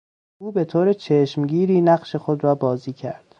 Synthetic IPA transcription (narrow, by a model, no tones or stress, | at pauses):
ʔuːbe̞t̪ʰoːɾet͡ʃʰeːʃmɟiːɾiːnæɢʃe̞xo̞d̪ɾɒːbɒːziːcʰæ̰ɾd̪̥